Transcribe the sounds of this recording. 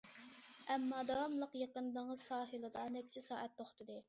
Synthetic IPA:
ɛmːɑːd̪ɑwɑmlˠəqjɑqənd̪əŋəz̥sɑːɦɨlˠɨd̪ɑnɛk̚ʲt͡ʃʰisɑ̰ːʔɛt̪ːoχt̪ɨd̪ɨ

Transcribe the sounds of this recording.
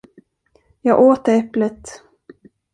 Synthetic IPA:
jɑːɡʔoːt̪əɾɛplət̪

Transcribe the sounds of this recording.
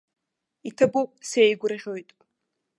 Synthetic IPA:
itʰɐbowpʼsejɡʷʊɾɐʁʲojtʼ

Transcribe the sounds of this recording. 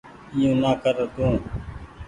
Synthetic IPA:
ɪjũːnaːkəɾəd̪ũː

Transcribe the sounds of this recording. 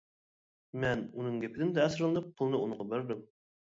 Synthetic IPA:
mɛnunɨŋɡʲepʰɪd̪ɪmnd̪ɛːsɨɾlˠɨnɨp̚qʰʊlˠnɨunɨɴʁɑbeɾd̪ɪm

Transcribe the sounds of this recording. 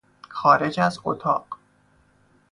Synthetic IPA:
xɒːɾe̞d͡ʒæzo̰t̪ʰɒːɢ

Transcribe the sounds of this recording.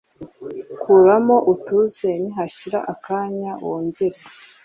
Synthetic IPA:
kuɾamo̞ʔutuze̞niɦaʃiɾa̰ʔakaːɲawoːɲɟeɾe

